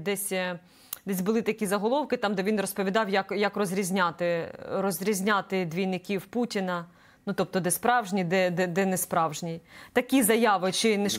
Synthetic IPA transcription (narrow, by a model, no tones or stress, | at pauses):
d̪ɛsʲ | d̪ɛsʲbʊlˠɪt̪ɐkʲizɐɦɔlˠɔwkɪt̪ɑmd̪ɛʋʲinrɔspɔʋʲid̪ɑwjɐkjɐkrɔzʲɾʲizʲnʲɑt̪ɪɾɔzʲɾʲizʲnʲɑt̪ɪd̪ʋʲijnɪkʲiwputʲɪnɐ | nut̪ɔp̚t̪ɔd̪ɛspɾɑwʒnʲid̪ɛd̪ɛd̪ɛnɛspɾɑwʒnʲijt̪ɐkʲizɐjɑʋɪt͡ʃɪnɛʃ